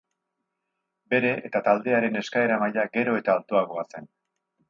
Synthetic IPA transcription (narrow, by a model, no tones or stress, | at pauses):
be̞ɾe̞ʔet̪at̪ald̪e̞aɾe̞ne̞skae̞ɾamaʎaɡe̞ɾo̞e̞t̪aːlt̪oaɣ̞o̞ase̞n